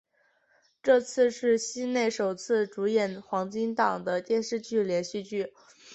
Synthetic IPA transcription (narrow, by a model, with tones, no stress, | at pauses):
ʈ͡ʂɤ˥˧t͡sʰɹ̩˥˧ʂɻ̩˥˩ɕi˥ne˥˩ɪʂo˨˩ʊt͡sʰɹ̩˥˩ʈ͡ʂu˧˥jɛ˨˩nxwɑ˧˥ŋt͡ɕi˥ŋt̪ɑ˨˩ŋd̪ə˦t̪jɛ˥˧nʂɻ̩˥˧t͡ɕy˥˩ljɛ˧˥nɕy˥˧t͡ɕy˥˩